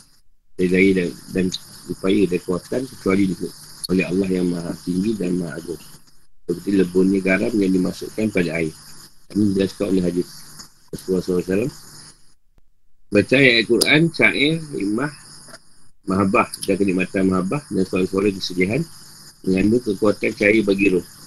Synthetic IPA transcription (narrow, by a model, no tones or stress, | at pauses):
daɡaidadanupajədankuwat̪ankət͡ʃualidikuʔolɛɦa̰lːɑɦjaŋmaɦat̪iŋɡidanmaɦaʔaɡʊm | təkət̪iləbʊnɲəɡaɾamjaŋdimasṵʔkanpadaːɪdamĩd͡ʒasə̥kao̰lɛɦadɪs | asuasalasalam | bət͡ʃajakuɾant͡ʃaʔɛḭmah | maɦabahdakəniʔmat̪anmaɦabahdaŋsolaŋsaɾak̬əsədiaɦan | məŋanokəkuat̪ant͡ʃaəbaɡiɾo